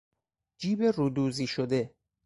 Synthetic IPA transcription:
d͡ʒiːberuːd̪uːziːʃod̪e

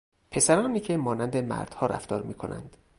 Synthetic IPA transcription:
pʰe̞sæɾɒːniːcʰe̞mɒːnænd̪emæ̰ɾd̪̥hɒːɾʔæ̰ft̪ʰɒːɾmiːkʰo̞nʔæ̰nd̪̥

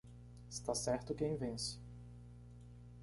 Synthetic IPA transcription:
ɪst̪asɛɾt̪ʊkẽj̃vẽsɪ̥

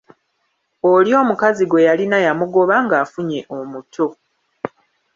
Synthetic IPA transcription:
oljo̞ːmukaziɡwe̞jalinajamuɡo̞βaŋɡaːfuɲe̞ʔomutʰo̞

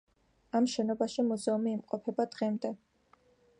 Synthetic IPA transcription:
amʃɛnɔbaʃimuzɛumiːmqʼɔpʰɛbad̪ʁɛmd̪ɛ

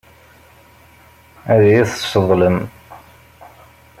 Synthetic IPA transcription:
æðæjiθəsəðˤləm

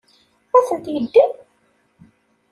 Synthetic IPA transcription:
æθənt̪jəd̪ːi

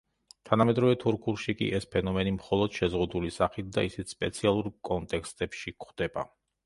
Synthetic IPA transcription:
t̪ʰanamɛd̪ɾɔvɛt̪ʰuɾkʰulˠʃikʼḭʔɛspʰɛnɔmɛnimχɔlˠɔd̪̥ʃɛzʁud̪ulisaχit̪̚ʰd̪aisit̪spʼɛt̪sʰialˠuɾkʼɔnt̪ʼɛkst̪ʼɛpʃikχd̪̥ɛba̰

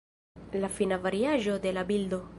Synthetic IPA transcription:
lafinavaɾjaʒod̪elabild̪o

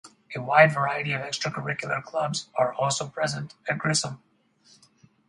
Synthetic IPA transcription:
ewaɪdvəɹaɪəɾiʌvɛkstɹ̥əkəɹɪkjʊl̩ˠəɹkʰlʌbzaɹɔlˠsoʊpʰɹɛzə̃ntɨ̃ɡɹɪsə̃m

